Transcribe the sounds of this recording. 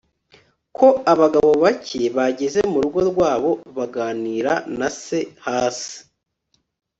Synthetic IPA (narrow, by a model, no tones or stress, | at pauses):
kʰo̞aβaɡaβo̞βacʰe̞βaɟe̞ze̞muɾuɡo̞ɾɡwaːβo̞βaɡaːniːɾanase̞haːsi̥